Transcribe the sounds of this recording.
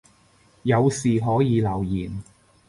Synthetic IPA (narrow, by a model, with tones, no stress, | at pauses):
jɐ˨˧wsiː˨ɦɔː˨˥jiː˨˧lɐ˨˩wjiː˨˩n